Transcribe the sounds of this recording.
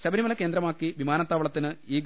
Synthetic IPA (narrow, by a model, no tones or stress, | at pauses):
ɕɐbɐɾimɐlɐkːeːnd̪ɾɐmaːkːiʋimaːnɐt̪ːaːʋɐɭɐt̪ːinɨiːɡ